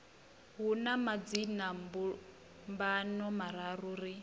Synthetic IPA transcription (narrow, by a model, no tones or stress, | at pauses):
ɦunamad͡zinambu | mbanɔmaɾaɾuɾi